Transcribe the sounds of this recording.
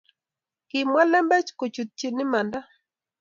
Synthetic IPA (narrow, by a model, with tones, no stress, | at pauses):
kɪ˨mwa˦lɛ˦mbɛ˦t͡ʃko˨t͡ʃu˨t̪̚t͡ʃi˨nɪ˦ma˨nda˦